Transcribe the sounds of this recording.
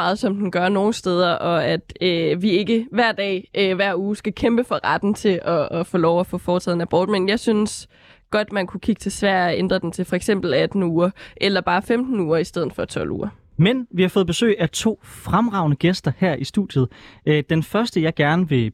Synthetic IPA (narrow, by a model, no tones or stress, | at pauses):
ɑ̈ːð̩ˠsɒ̽md̥en̩ɡ̥ɶɐno̝ːn̩sd̥eːð̞ˠɐʔɒ̽æd̥øʋie̝ɡ̥əʋæɐ̰d̥ɛ̰ːʔøʋæɐ̰uːsɡ̥ækʰemb̥əfɒ̽ʁɑd̥n̩t͡sʰe̝ʔɒːfɔːlɒʊæfɔ̰ːfɒːt͡sʰɛ̰ð̰ˠn̩æb̥ɒ̰ːd̥menjɑ̈ɪsyns | ɡ̥ɒ̽d̥mænkʰukʰiɡ̥ət͡sʰe̝sʋæɐ̰æend̥ʁɐd̥ent͡sʰe̝lfɒ̽eɡ̥sem̰b̥l̩æd̥n̩uːɐʔelɐb̥ɑ̈ːfemd̥n̩uːɐisd̥eð̞̰ˠn̩ˠfɒ̽t͡sʰɒ̽l̰ṵːɐ | menʋihɑ̈fɔ̽ːð̞̩ˠb̥e̝sø̰ːæt͡sʰo̝̰ːfʁamʁɑ̈ʊ̰nəɡ̥esd̥ɐhæɐ̰ʔisd̥ud̥jəð̞̩ˠd̥enfɶɐsd̥əjɑ̈ɪɡ̥æɐnəʋe̝